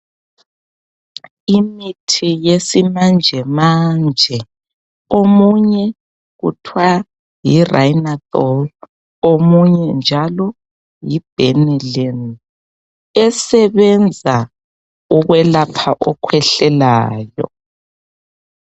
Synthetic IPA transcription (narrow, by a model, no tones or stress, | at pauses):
imitʰijesimand͡ʒʱɛmand͡ʒʱɛ | omuɲɛ | ɣṵtʰwa | jirajnaθɔl | omuɲɛnd͡ʒʱalɔ | jib̥ʱɛnɛlɛn | ɛsɛβɛnd͡zʱa | uɣwɛlapʰaʔɔkʰwɛɬɛlaːjɔ̰